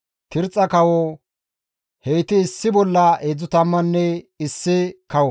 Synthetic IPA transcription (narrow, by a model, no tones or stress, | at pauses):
t̪ɪɾt͡sʼɐkɐwɔ | hejt̪ɪːsːɪbɔlːɐʔeːd͡zʊt̪ɐmːɐnːɛɪsːɪkɐwɔ